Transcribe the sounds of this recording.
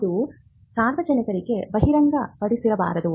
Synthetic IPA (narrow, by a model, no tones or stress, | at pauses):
ɾu | saːɾʋɐd͡ʒɐnikɐɾiɡe̞bɐɦiɾɐŋɡɐpɐɽisiɾɐba̰ːɾɐd̪u